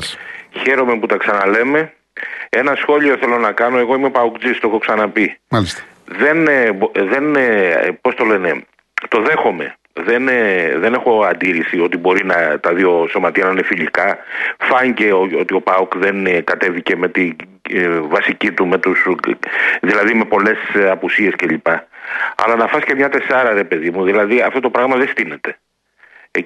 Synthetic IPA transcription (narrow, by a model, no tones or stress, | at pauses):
çe̞ɾo̞me̞put̪ɐksɐnɐle̞me̞ | e̞nɐsxo̞ʎioθe̞lo̞nɐkɐno̞e̞ɣo̞imepɐukd͡zist̪oexoksɐnɐpils | ðe̞nbðe̞npo̞st̪o̞le̞ne̞ | t̪o̞ðe̞xo̞me̞̰ | ðenðe̞ne̞xo̞ɐnd̪iɾisio̞t̪ibo̞ɾinɐt̪ɐðio̞so̞mɐt̪iɐnɐinefiʎikɐfɐɲice̞oo̞t̪io̞pɐukðe̞nkɐt̪e̞vice̞me̞t̪i | vɐsicit̪ume̞t̪us | ðilɐðime̞po̞le̞sɐpusie̞sce̞ʎipɐɐ̰lɐnɐfɐscemɲɐt̪e̞sɐɾɐɾe̞pe̞ðimuðilɐðiɐft̪o̞t̪o̞pɾɐɣmɐðest̪ine̞t̪e̞